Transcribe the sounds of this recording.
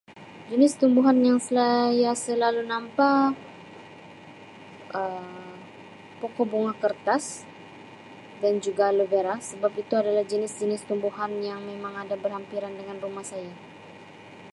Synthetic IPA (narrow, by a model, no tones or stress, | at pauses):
d͡ʒənɪst̪umbuɦanjaŋsəlajasəlalunampa | ʔəm | pokɔboŋakərt̪as | dand͡ʒuɡaləbeɾasəbapit̪uadalahd͡ʒənɪsd͡ʒənɪst̪umbuhanjaŋmemaŋadabərhampiɾandəŋanrumahsaja